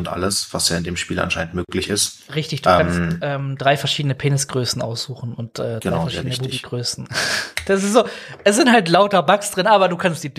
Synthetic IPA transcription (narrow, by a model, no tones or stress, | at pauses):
ʊntʔa̰ləsv̥asjaːɪndeːmʃpiːlʔa̰nʃaɪn̩tmøːklɪçɪstʁɪçtɪçd̥uːɛanstʔɛːmdʁaɪfɛɐʃiːdənəpʰeːnɪsɡ̥ʁøːsn̩ʔa̰ʊsz̥uːxn̩ʊnt̚ʔɛːd̥ɡəaaɪfɛɐʃiːdənəbuːbiɡ̥ʁøːsn̩d̥asɪstz̥oːʔɛsz̥ɪnthaltlaʊtɐbaksd̥ʁɪnʔaːβɐduːkʰanst̚d̥iːd